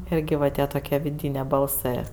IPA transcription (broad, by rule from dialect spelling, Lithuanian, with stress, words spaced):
ˈɪrʲɡʲɪ ʋɐ ˈtʲiɛ toːˈkʲiɛ ʋʲɪˈdʲiːnʲeː bɐlˠˈsɜ